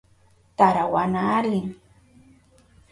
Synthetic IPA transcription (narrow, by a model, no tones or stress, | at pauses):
t̪aɾawanaːɾiŋ